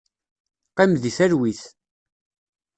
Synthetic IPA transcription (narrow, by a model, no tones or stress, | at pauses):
qimðiθæɾwiθ